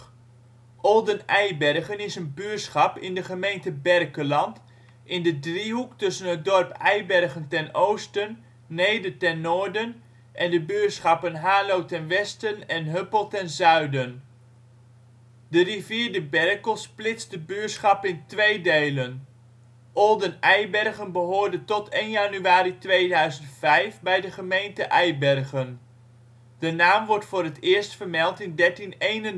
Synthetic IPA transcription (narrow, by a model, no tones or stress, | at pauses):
ʔɔlˠdənɛjbɛrχənɪsənbysχɑpɪndəχəmejntəbɛrkəlɑnt | ʔɪndədriɦuktɵsənɦət̚dɔrpɛjbɛrχəntɛnowstənː | ejdətɛnːʊːɹdən | ʔɛndəbyːsχɑpənɦaːlowtɛnʋɛstənɛnɦøpəlˠtɛnzœɥdən | dəriviːɹdəbɛrkəlˠsplɪt͡sdəbøːtsχɑpɪntʋejdejlən | ʔɔlˠdənɛjbɛrχənbəɦoːɹdəntɔtejnjanyaːɾitʋejdœɥzəntfɛjfbɛjdəχəmejntəʔɛjbɛrχən | d̥ənaːmʋɔɹtfʊːɾətɪːɹstfərmɛlˠtɪndɛɹtinejnən